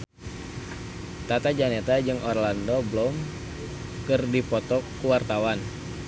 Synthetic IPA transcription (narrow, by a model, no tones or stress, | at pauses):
t̪at̪ad͡ʒanɛt̪ad͡ʒɨŋʔɔrlandɔblɔm | kɨrdipɔt̪ɔkuwart̪awan